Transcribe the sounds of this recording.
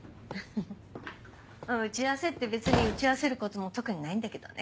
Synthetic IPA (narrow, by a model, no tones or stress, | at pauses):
ɯ | ɯ̃ɯ̟t͡ɕiβase̞t̪ːe̞be̞t͡sɨɲ̟iɯ̟t͡ɕiβase̞ɾɯ̟ko̞t̪o̞mo̞t̪o̞kɯ̟ɲ̟inaĩnd̪ake̞d̪o̞̰nʔe̞